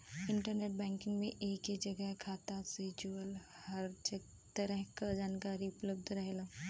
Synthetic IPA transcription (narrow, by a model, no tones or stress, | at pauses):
ɪ̃ɳʈəɾneːʈ̚bɛ̃ːŋkɪ̃ŋɡmẽʔeːkɦed͡ʒəɡəɦkʰaːt̪asɪt͡ʃːəl | həɾd͡ʒ | t̪əɾəɦkad͡ʒaːnkaːɾiʊpləbd̪ʱɾəɦela